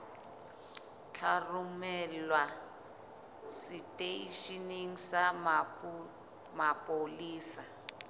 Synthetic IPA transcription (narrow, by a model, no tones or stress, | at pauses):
t͡ɬʰarumɛlwa | sitʼeiʃiniŋ̩sa | mapʼoliːsa